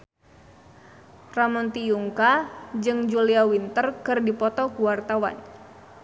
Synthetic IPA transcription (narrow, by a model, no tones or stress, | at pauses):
ramɔnt̪ijuŋkad͡ʒɨŋd͡ʒuliawint̪ərkɨrdipɔt̪ɔkuwart̪awa̰n